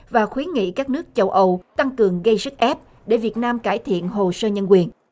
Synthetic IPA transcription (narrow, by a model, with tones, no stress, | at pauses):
vaː˨˩xwi˨˦ənŋḭ˧˨kaː˦˥k̚nɨ˦˥ək̚t͡ɕə˧wʔə˧wt̪a˧ŋkɨ˨˩əŋɣə˧jsɨ˦˥k̚ʔɛ˦˥p̚ | ɗe˧˩vi˨˩ət̚naː˧mkaː˧˩jt̪ʰḭ˧˨ənɦo˨˩səː˧ɲə˧nkwi˨˩ən